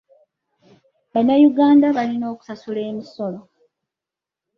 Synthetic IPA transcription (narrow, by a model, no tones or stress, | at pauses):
βanːajuɡaːndaβalino̞ːku̥sasule̞ːmiso̞lo̞